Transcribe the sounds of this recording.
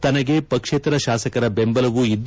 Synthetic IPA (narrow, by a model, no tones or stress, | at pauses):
t̪ɐnɐɡe̞pɐkʂeːt̪ɾɐʃaːsɐkɐɾɐbe̞mbɐlɐʋuid̪ː